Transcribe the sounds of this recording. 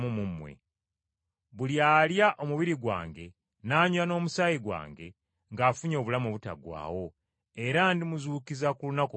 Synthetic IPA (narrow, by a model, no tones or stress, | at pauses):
mumumwḛ | βuljaːljaʔomuβiɾiɡwa̰ːŋɡe̞ | naːɲuano̞ːmusajiɡwa̰ːŋɡe̞ | ŋɡaːfuɲo̞ːβulamoβuta̰ɡwa̰ːwo̞ | e̞ɾandimuzuːkizakulunako